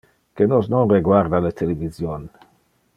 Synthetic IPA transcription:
kenosnonreɡwaɾd̪alet̪ʰelevizjon

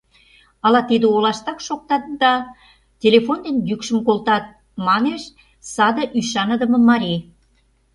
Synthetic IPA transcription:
ɑlɑt̪id̪eolɑʃt̪ɑkʃok̚t̪ɑt̪̚d̪ɑ | tʲelefond̪enjykʃə̆mkolt̪ɑt̪̚ | mɑneʃ | sɑd̪ə̆ʔyʃɑnə̆d̪ə̆mɤ̆mɑɾʲi

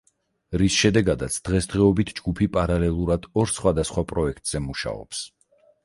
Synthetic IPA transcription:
ɾisʃɛd̪ɛɡad̪at̪sʰd̪̥ʁɛsd̪̥ʁɛɔbit̪ʰd͡ʒɡupʰipʼaɾalɛlˠuɾad̪̥ɔɾsχwad̪asχwapʼɾɔɛkʰt̪ʼz̥ɛmuʃa̰ɔ̰ps

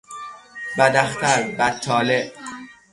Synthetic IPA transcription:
bæd̪æxt̪ʰæɾbæt̪̚t͡ʃʰːɒːleʔ

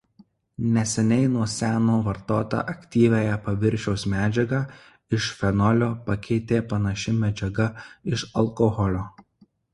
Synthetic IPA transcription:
nʲɛsʲɛnʲɛɪnuɔsʲæːnoːʋɐɾt̪oːt̪ɑ̰ːʔɐkʲt̪ʲiːʋʲæjɛpɐʋʲɪɾʲˑʃʲɛʊsmʲæːd͡ʒʲɛɡɑː | ɪʃfʲɛnɔlʲoːpɐkʲɛɪt̪ʲeːpɐnɐʃʲɪmʲɛd͡ʒʲɛɡɐɪʃɐlˠkɔɣɔlʲoː

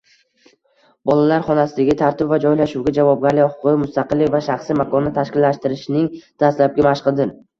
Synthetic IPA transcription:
bɒlˠalaɾχɒnasɪd̪aɡʲɪt̪ʰaɾt̪ʰɪbvad͡ʒɒjlaʃuwɡʲad͡ʒavɒb̚ɡʲaɾlɪχʊ̥qʰʊɪmʊst̪aqɨlːɪkʲvaʃaχsimakʰɒnːɪt̪ʰaʃkʲɪlːaʃt̪ɪɾɪʃnɪŋd̪̥ast̪lap̚ɡʲamaʃqɨd̪ɪn

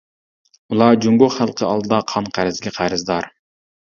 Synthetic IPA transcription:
ulˠɑd͡ʒyŋɡoχælˠqʰəɑ̰lˠd̪ɨd̪ɑqʰɑnqʰæɾɪzɡʲɛqʰæɾɪzd̪ɑɾ

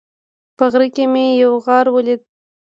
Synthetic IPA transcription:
pəɣɾikemejawɣɑɾwəlid̪̚

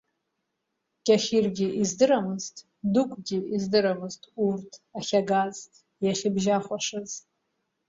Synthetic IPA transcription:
kʲʼaχʲirɡʲɪʔizdɨɾamɨztʰʼ | dukʷʼʰɡʲiizdɨɾamɨztʰʼurtʰaχʲaɡazʼ | jaχʲɪbʒaχʷaʂɨz̥

